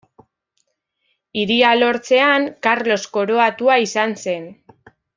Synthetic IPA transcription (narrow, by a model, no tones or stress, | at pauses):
iɾialo̞ɾt͡se̞aŋkaɾlo̞sko̞ɾo̞at̪uaisanse̞n